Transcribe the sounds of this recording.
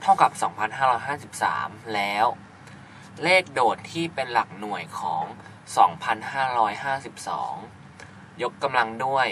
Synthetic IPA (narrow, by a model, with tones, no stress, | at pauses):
t̪ʰa˥˩wka˨˩p̚sɔː˩˦ŋpʰa˧nɦaː˥˩ɾɔː˦˥jɦaː˥˩si˨˩p̚sa̰ː˩˦mlɛː˦˥w | leː˥˩k̚doː˨˩t̪ʰːiː˥˩pe˧nla˨˩k̚nu˨˩əjkʰɔ̰ː˩˦ŋ | sɔː˩˦ŋpʰa˧nhaː˥˩ɾɔː˦˥jɦaː˥˩si˨˩p̚sɔ̰ː˩˦ŋ | jo˦˥kːa˧mla˧ŋdu˥˩əj